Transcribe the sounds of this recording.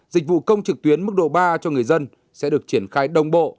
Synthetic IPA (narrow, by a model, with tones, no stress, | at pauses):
zï˨˩k̟̚vṵ˧˨kə˧wŋ͡mt͡ɕɨ˨˩k̚t̪wi˨˦ənmɨ˦˥k̚ɗo̰˧˨ɓaː˧t͡ɕɔ˧ŋɨ˨˩əjzə˧n | sɛ̰˧˥ɗɨ˨˩ək̚t͡ɕi˧˩ənxaː˧jɗə˧wŋ͡mɓo̰˧˨